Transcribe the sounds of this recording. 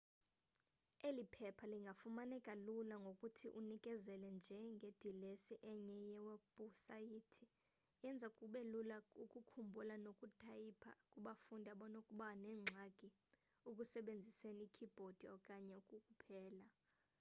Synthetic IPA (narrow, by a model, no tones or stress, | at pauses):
elipʰɛpʰaliŋɡʱafumanɛkʼalulaŋɡʱokʼutʰiʔunikʼɛzɛlɛnd͡ʒʱɛŋɡʱed̥ʱilesiʔɛɲɛjɛweb̥ʱusajitʰi | jɛnd͡zʱakʼuɓelulaukʼukʰumbʱulanokʼutʼajipʰa̰kʼuɓafundʱaɓɔnaukʼuɓanɛːŋ͡ǀʱakʼi | ukʼusɛɓend͡zʱisenikʰib̥ʱod̥ʱiɔkʼaɲɛukʼukʼupʰɛːla